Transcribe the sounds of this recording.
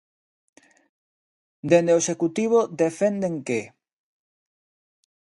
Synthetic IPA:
d̪end̪eoeʃekut̪iβ̞oðefend̪eŋke

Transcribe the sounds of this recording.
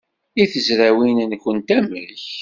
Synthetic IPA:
iθəzɾæwinnkːənt̪æmə̰lç

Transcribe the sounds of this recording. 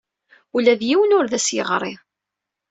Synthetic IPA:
ulæðjiwənʊɾðæsjəʁɾˤɪ

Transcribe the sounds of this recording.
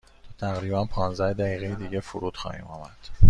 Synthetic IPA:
t̪ʰæɣɾiːbænpʰɒːnzæhd̪æjiːɣejed̪iːɟefuɾuːd̪xɒ̰ːhḭːmɒ̰ːmæd̪̥

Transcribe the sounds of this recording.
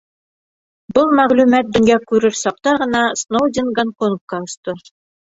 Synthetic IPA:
bɤlˠmæʁlʉmæt̪̚bɵ̆ŋɡækʉɾɘɾsɑq̚t̪ɑʁɤ̆nɑsnowd̪ʲɪnɡankonfkɑŏst̪o

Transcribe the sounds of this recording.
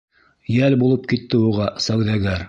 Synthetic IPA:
jælbulˠɤp̚kit̪ːɘuʁɑsæwðæɡæɾ

